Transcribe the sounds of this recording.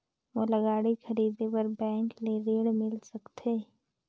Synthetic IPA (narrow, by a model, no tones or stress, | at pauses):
ʋoːlɐɡaːɽixʰɐɾiːd̪epəɾbɛ̃ːŋkleɾeːɽmɪlsɐkt̪ʰeː